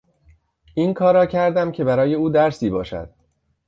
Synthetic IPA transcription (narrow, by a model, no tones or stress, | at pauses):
ʔiːnkʰɒːɾɒːcʰæɾd̪æmcʰe̞bæɾɒːje̞uːd̪æɾsiːbɒːʃæ̰d̪̥